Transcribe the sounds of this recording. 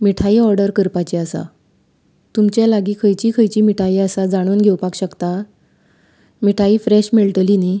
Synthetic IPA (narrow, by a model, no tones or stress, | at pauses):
miʈʰaiɔɾɖəɾkəɾpat͡ɕiasa̰ | t̪umt͡ɕjalaɡiːkʰəjt͡ɕiːkʰəjt͡ɕiːmiʈʰaiasad͡zaɽ̃onɡʱewpakɕəkt̪a | miʈʰaiːfɾeɕmeɭʈ̪line